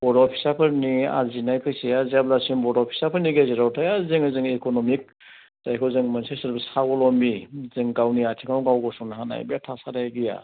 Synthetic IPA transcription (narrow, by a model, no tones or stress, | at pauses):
b̥ɔɾɔpʰisapʰɯɾnia̰zinajpʰɯjsiaziablasimbɔdɔpʰi̥sapʰɯɾniɡaziɾawtʰajazɯŋɯzɯŋekɔnɔmik̚ | d̥ajkʰɔzɯŋmansesɯɾbɯsaɡɔlɔmizɯŋɡawniatʰiŋʰawɡawɡɔsɔnaɦana̰jbiatʰasadajɡija̰